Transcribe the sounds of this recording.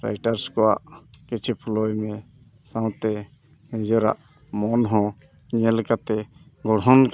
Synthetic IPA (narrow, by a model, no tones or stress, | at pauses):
ɾa̰jʈaɾskɔwaʔkit͡ʃʰɛpʰulɔjmɛ | sãw̃t̪ɛ | d͡ʒɔɾa̰ʔ | mɔnɦɔ̃ | ɲɛlkat̪ɛɡɔɽɦɔnk